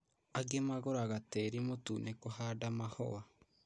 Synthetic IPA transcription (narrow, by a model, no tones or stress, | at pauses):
aɡemaɣoɾaɣateɾimotuːnekohaːdamahɔ̰wa